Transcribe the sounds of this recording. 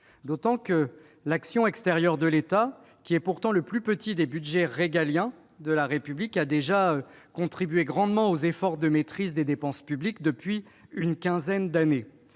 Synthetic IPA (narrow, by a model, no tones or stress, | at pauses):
d̪ot̪ɑ̃kə | laksjɔ̃ɛkst̪ɛʁjœʁd̪əlet̪a | kʲiɛpuʁt̪ɑ̃ləplypət̪id̪ebyd̪ʒɛʁeɡaljɛ̃ | d̪əlaʁepyblikad̪eʒaø | kɔ̃t̪χibɥeɡʁɑ̃d̪mɑ̃ozefɔʁd̪əmet̪χizd̪ed̪epɑ̃spyblikd̪əpɥi | ynkʲɛ̃zɛnd̪ane